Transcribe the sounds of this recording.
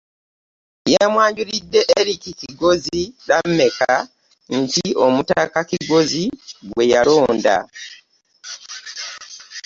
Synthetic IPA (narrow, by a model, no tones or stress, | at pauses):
jamwaːɲɟuɾidːe̞ʔeɾikikiɡo̞zilammːe̞ka | ntio̞mutakakiɡo̞ziɡwwe̞jalo̞ːnda̰